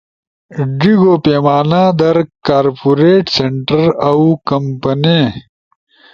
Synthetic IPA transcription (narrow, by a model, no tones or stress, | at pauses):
ɖiɡoːpeːmaːnãːd̪ɐɾkaːɾpuɾeːʈseɳʈɐɾɐwkɐmpɐnẽ